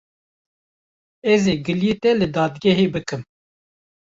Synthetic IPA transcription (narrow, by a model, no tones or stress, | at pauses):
ɛzeːɡɨljit̪ɛlɨd̪ɑːd̪ɡɛɦeːbɨkɨm